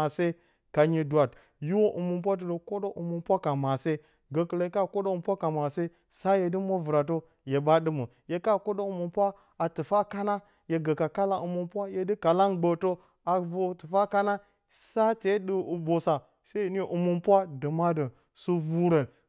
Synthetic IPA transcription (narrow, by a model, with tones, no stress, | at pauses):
a˨se˦ | ka˨ɲi˨du˨a˨t | ji˦wo˦ʔu˨mu˨mp̬ʷa˦t̬ə˨do˨ko˦do˦ʔu˨mu˨mpʷa˦ka˨ma˨se˦ | ɡə˨kə˨le˨jka˦˨ko˦do˦u˨mpʷa˦ka˨ma˨se˦ | sa˦je˨di˦mo˦vu˨ɾa˨t̬o˦ | je˨ba˦ɗɨ˦mə˨ | je˨ka˦˨ko˦do˦u˨mu˨npʷa˦ | a˨tɨ˨fa˦ka˦na˦ | je˨ɡə˨ka˨ka˦la˨u˨mu˨mpʷa˦je˨di˦ka˨la˦nɡ͡bə˨to˦ | a˨vu˨tɨ˨fa˦ka˦na˦ | sa˦te˨˦ɗə˦u˨bo˨sa˨ | se˦˨n˦e˨ʔu˨mu˨npwa˦də˨ma˦də˨ | su˦vu˦ɾə˨n